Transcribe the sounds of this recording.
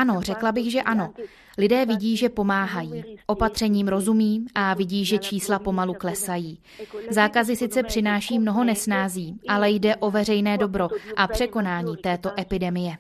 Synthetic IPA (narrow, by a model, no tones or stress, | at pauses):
ʔano̞r̝ɛklabɪɣʒɛʔano̞ | lɪdɛːvɪɟiːʒɛpo̞maːɦajiːʔo̞pat̪r̥ɛɲiːmɾo̞zumiːʔavɪɟiːʒɛt͡ʃiːslapo̞maluklɛsajiː | zaːkazɪsɪt̪t͡sɛpr̝̥ɪnaːʃiːmno̞ɦo̞nɛsnaːziːʔalɛjdɛʔo̞vɛrɛjnɛːdo̞bɾo̞ʔapr̥ɛko̞naːɲiːt̪ɛːt̪o̞ʔɛpɪdɛmɪjɛ